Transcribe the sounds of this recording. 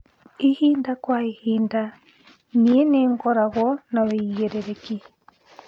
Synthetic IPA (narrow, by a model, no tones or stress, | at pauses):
ihiːndakwaihiːnda | nieneŋɡɔɾaɣwɔnaweɣeɾeɾeki